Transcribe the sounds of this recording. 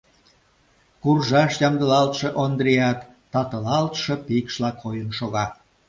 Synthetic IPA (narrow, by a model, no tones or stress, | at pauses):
kurʒɑʃjɑmd̪əlɑlt̪ʃeʔond̪ɾeɑt̪ː | ɑt̪əlɑlt̪ʃɤ̆pikʃlɑkojənʃoɣɑ